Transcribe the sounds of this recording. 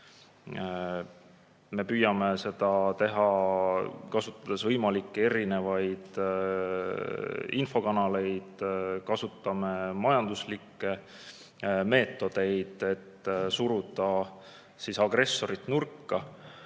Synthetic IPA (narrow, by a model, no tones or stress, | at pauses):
me̞pyːjɑme̞se̞d̪̥ɑt̪e̞ɦɑ | kɑsut̪ˑːɑd̪̥e̞svɤjmɑlikːee̞ɾine̞vɑjd̪̥ | info̞kɑnɑle̞jd̪̥kɑsut̪ːˑɑme̞mɑjɑnd̪̥uslikˑːe̞ | me̞ːt̪ːˑo̞d̪̥e̞jd̪̥e̞t̪ːsuɾud̪̥ɑ | siːsɑɡre̞sːo̞ɾit̪ˑnurkːɑ